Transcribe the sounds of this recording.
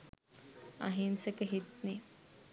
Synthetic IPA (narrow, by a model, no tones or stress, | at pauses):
a̰ɦinsekəɦit̪ne